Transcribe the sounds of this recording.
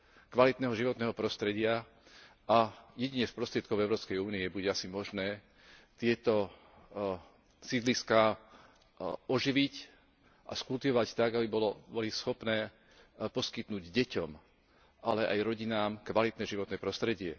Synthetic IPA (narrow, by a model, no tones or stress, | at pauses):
kʋalit̪nɛːɦɔʒiʋɔt̪nɛːɦɔpɾɔst̪ɾɛɟɪa | ʔajɛɟiɲɛspɾɔst̪ɾɪɛt̪̚kɔʊɛʊɾɔːpskɛjuːniɛbuɟɛasimɔʒnɛː | t̪ɪɛt̪ɔ | sid̪liska | ɔʒiʋic | ʔa̰skult̪iʋɔʋact̪aɡabibɔlɔbɔlisxɔpnɛː | pɔskit̪nuːɟɟɛcɔm | ʔalɛʔa̰jɾɔɟinaːmkʋalit̪nɛʒiʋɔt̪nɛpɾɔst̪ɾɛɟɪɛ